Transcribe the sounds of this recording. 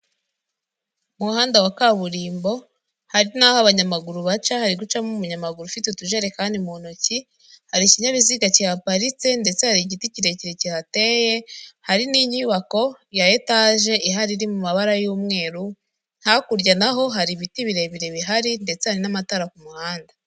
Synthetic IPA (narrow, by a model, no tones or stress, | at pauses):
muhaːndawakaβuɾiːmbo̞ | haɾinaːhoaβaɲamaɡuɾuβat͡ʃahaɾiɡut͡ʃamumuɲamaɡuɾufitetuʒeɾe̞kaːndimun̥uci | haɾiciɲaβiziɡacijapaɾit͡se̞nde̞t͡se̞haɾiɟiticiɾe̞ciɾeciɾate̞je̞haɾiniɲiːβako̞jaje̞taʒe̞ʔiɦaɾiɾimumaβaɾajuːmŋe̞ːɾu | n̥hakuɾɟanaɦo̞ɦaɾiβitiβiɾe̞βiɾe̞βiɦaɾinde̞t͡se̞haɾinamataɾakumuhaːnda